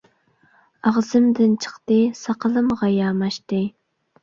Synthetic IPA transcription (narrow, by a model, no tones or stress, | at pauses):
ɑʁzɨmd̪ɪnt͡ʃʰə̥χt̪ɨsɑqəlˠɨmʁɑjɑːmɑʃt̪ɨ